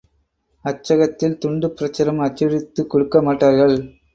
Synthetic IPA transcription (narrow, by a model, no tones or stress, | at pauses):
ɐt͡ʃːɐɣɐt̪ːɪlt̪ʊɳɖɯpɪɾɐt͡ʃːɐɾɐmɐt͡ʃːɐɾɪt̪ːɯkːɔɽɯkːɐmaːʈːaːɾɣɐɭ